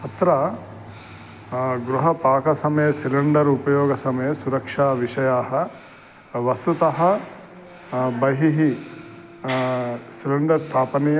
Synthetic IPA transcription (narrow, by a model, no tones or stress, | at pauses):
ɐt̪ɾɐ | ɡɾuɦɐpaːkɐsɐmɐjɐsilɐɳɖɐɾupɐjoːɡɐsɐmɐjɐsuɾɐkʂaːʋiʂɐjaːɦɐ | ʋɐst̪ut̪ɐɦɐ | bɐɦiɦi | silɐɳɖɐɾst̪ʰaːpɐnij